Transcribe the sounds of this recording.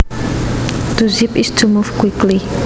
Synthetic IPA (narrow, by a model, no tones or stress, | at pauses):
d̪̥uzipisd̥umufkwikli